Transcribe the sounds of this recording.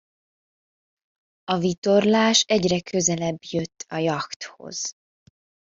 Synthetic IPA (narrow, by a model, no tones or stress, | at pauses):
ɒvit̪o̞rlaːʃɛɟrɛkʰø̞zɛlɛbjø̞t̪ːɒjɒkt̪ho̞̰z̥